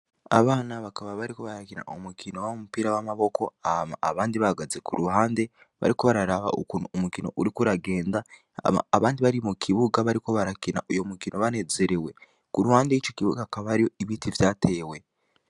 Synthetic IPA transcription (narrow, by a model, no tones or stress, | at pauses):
a̰βaːnaβakaβaβaɾiko̞βaɾakina̰ʔomukino̞wamumupiːɾawamaβo̞kʰo̞aa̰βaːndiβaɡazekuɾuɦaːnde̞ | βa̰ɾiko̞βaɾaɾaβa̰ʔokunuomukino̞̰ʔuɾikuɾaɡe̞ːndaː | βaːndiβaɾimukʰiβuɡaβaɾiko̞βaɾakina̰ʔojo̞mukinʔo̞βane̞ze̞ɾewe̞ | kuɾuhaːndeit͡ʃo̞kiβuɡakaβaɾijo̞iβiːtʰivjaːte̞ːwe̞